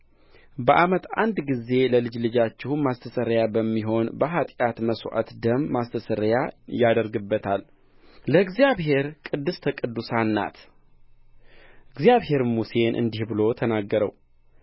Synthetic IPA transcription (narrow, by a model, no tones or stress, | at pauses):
bəʔamət̪a̰nd̪ɡize̞ləlɨd͡ʒlɨd͡ʒat͡ʃːɪhumast̪ʰəsəɾjabəmːiɦo̞nbəɦat̪ʼjat̪məsoʔa̰t̪d̪əmːast̪ʰəsəɾjajad̪əɾɡɨbːət̪ʰal | ləɨɡzijaβhe̞ɾkʼɨd̪ːɨst̪ʰəkʼɨd̪ːusanːa̰t̪ | ɨɡzjaβhe̞ɾmuse̞nʔɨ̰nd̪ihbɨlo̞t̪ʰənaɡːəɾəw